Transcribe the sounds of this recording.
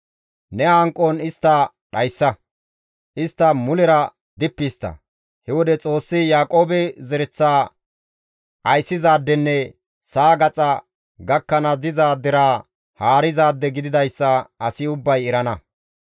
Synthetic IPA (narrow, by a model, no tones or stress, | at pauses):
nɛaːŋkʼːɔnɪst̪ːɐ | ɗɐjsːɐ | ʔɪst̪ːɐmʊlɛɾɐ | d̪ɪpːist̪ːɐ̰ | hɛwɔd̪ɛt͡sʼo̞ːsːɪjaːkʼo̞ːbɛzɛɾɛt͡sːaː | ʔɐjsːɪzaːd̪ːɛnːɛ | saːɡɐt͡sʼɐ | ɡɐkːɐnɐzɪzaːd̪ːɪɾaː | haːɾɪzaːd̪ːɛɡɪd̪ɪd̪ɐjsːɐɐsɪʊbːɐjɛɾɐnɐ